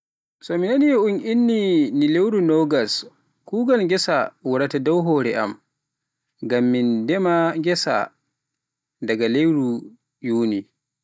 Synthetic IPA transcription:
sɔminanijʔuŋʔinːinilewɾunɔɡas | kuːɡɔnɡʲɛsawuɾatadawɦɔɾɛʔa̰m | ɡamːindɛmaɡʲɛsa̰ | daɡalewɾu | juːni

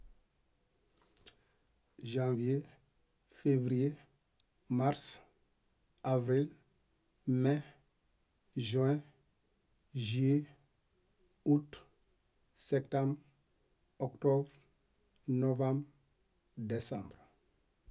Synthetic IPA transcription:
ʒãvje | fevɾije | maɾs | avɾil | mɛ̃ | ʒɥɛ̃ | ʒɥe | ut | sɛpt̪ãmb | ɔkt̪ɔbɾ | novãmb | desãbɾ

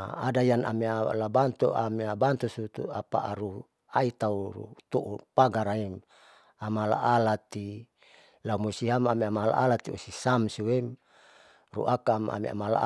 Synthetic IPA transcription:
adajana̰mialabant̪uameabant̪usut̪ṵapa̰ʔaɾu | ait̪auɾṵt̪oʔupaɡaɾaim | amala̰ʔalat̪i | laumusiɦamamiamala̰ʔalat̪iusisamsuwem | rṵʔakama̰mḭa̰mala̰

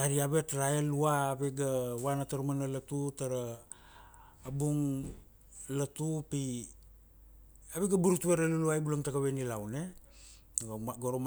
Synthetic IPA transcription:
aɾiaβetɾaeluaːβeɡawanataɾumanalatutaɾa | buŋ | latupi | aβeɡabuɾutueɾaluluajbulaŋtakaβenilawne | aaɡoɾom

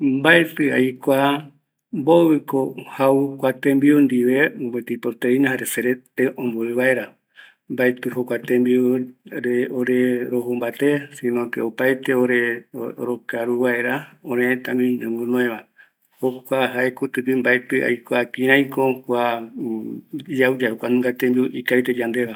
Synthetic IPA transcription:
mbaet̪ɨa̰jkʷa | mboβɨkohaukʷat̪ẽmbiund̪iʋebet̪ipot̪einahaɾeseɾet̪eʔõmboɨβaeɾa | mbaet̪ɨhokʷat̪ẽmbiuɾeoɾeɾoɦumbat̪esinõt̪eopaet̪eoɾeoɾokaɾuβaeɾaõɾẽt̪amĩɲɨ̃ŋɡunõẽβa | hokʷaɦaekut̪ɨpimbaet̪ɨa̰jkoakĩɾãjkokwa | d͡ʒaud͡ʒahokʷanũŋɡat̪embiuʔikait̪ed͡ʒand̪eβa

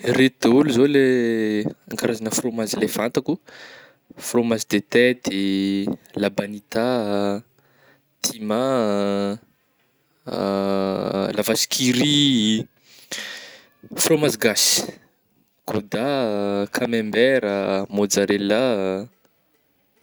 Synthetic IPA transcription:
ret̪ud̪̥euluzole | aŋɡaɾazanəfromazilev̥ant̪aku | fromazid̪et̪et̪e | labanit̪a | t̪ʰima | lavasi̥kʰiɾi | fromaziɡasi̥ | kod̪akʰamembɛɾəmod͡zaɾela

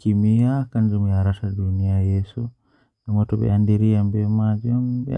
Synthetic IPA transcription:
kimiakand͡ʒumujaɾaʃadunijajɛsu | namɔtɔbɛ̰andiɾiambɛmad͡ʒɔm̰

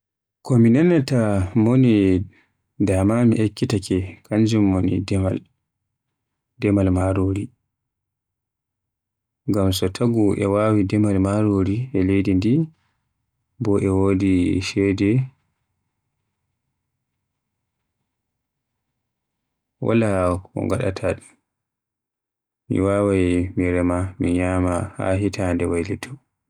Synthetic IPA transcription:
kɔminanːatamoni | damamḭʔekːitakɛkʰaɲd͡ʒumːonḭdɛma̰l | dɛmalmaɾoɾi | ŋɡamsɔtʰaɡuʔɛ̰waːwidɛmalmaɾoɾiɛlejdindi | bɔʔɛwodiʃɛdɛ | wa̰laɔ̰ŋɡa̰ɗa̰tʰa | mḭwawajmiɾɛmamiɲaːmaha̰ɦitʰandɛwajlɛtʰɔ

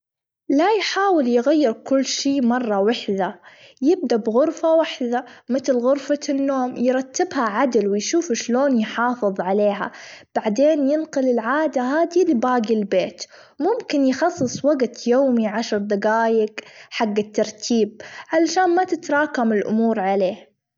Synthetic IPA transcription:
lajħaːwɪljɣajːɪɾkʊlːʃiːmɑrˤːɑwɪħðajɪb̚d̪abɣʊɾfawaħðamɪt̪lɣʊɾfanːoːmjɾˤɑt̪ːɪbhaʕad̪ɪlwɪjʃuːfɪʃloːnjħɑːfɨðˤʕaleːɦa̰b̥aʕd̪eːnjɪnqʊlɪlʕaːd̪aɦaːd̪ilɪbaːɡilbeːt̪ | mʊmkɪnjxɑsˤːɨsˤwaɡt̪joːmiʕaʃɾˤd̪ɑɡaːjɪɡħaɡːɪt̪ːɑɾˤt̪ʰiːb̚ʕalaʃaːnmat̪ɪt̪ɾˤɑːkamɪlʔʊ̰muːɾʕaleː

